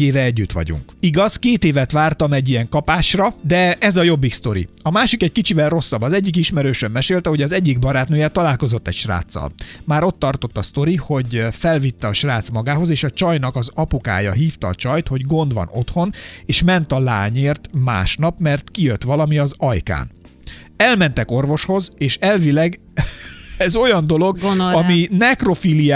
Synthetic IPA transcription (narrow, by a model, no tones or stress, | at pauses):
eːvɛɛɟːyt̪ʋɒ̰ɟṵŋkiɡɒzkeːt̪eːvɛt̪ʋaːrt̪ɒmɛɟːijɛŋkɒpaːʃrɒd̪ɛɛzɒjo̞bːikst̪o̞ɾḭɒmaːʃikɛckit͡ʃivɛlro̞sːɒbːɒzɛɟːik̬iʃmɛɾøːʃømːɛʃeːlt̪ɛɦo̞ɟɒzɛɟːiɡbɒɾaːt̪nøːjɛt̪ɒlaːlko̞zo̞t̪ːɛ̰cʃra̰ːt̪sːɒ̰lmaːɾo̞t̪ːɒrt̪o̞t̪ːɒst̪o̞ɾiho̞ɟfɛlvit̪ːɛɒʃraːt̪smɒɡaːɦo̞zeːʃɒt͡ʃɒjnɒkɒzɒpuka̰ːjɒ̰ɦiːft̪ɒːt͡ʃɒjt̪ho̞ɟɡo̞nd̪ʋɒ̰no̞t̪ho̞neːʃmɛnt̪ɒlaːɲeːrt̪ma̰ːʃnɒpmɛrt̪kijøt̪ʋɒlɒmiɒzɒjka̰ːn | ɛlmɛn̪t̪ɛko̞rvo̞ʃho̞zeːʃɛlvilɛɡ | ɛzo̞jɒnd̪o̞lo̞ɡɒminɛkro̞filia